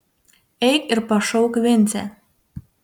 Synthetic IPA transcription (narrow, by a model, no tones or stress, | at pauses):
ejkirpɑʃowkβent͡sæ̰